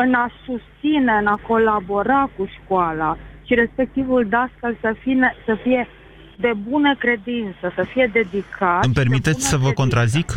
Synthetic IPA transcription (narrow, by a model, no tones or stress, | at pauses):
ɨnasust̪sine̞ɨnako̞labo̞ɾakuʃkwalaʃiɾe̞spe̞k̚t̪ivuld̪askəlsəfinesəfije̞ | d̪e̞bunəkɾe̞d̪int̪səsəfije̞d̪e̞d̪ikʰampe̞rmit̪e̞t̪sʲsəvəko̞nt̪ɾazik